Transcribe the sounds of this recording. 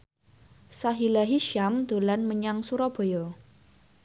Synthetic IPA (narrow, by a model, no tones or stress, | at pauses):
saɦilaɦiʃamd̪̥o̤lanməɲaŋsuɾɔb̥o̤jo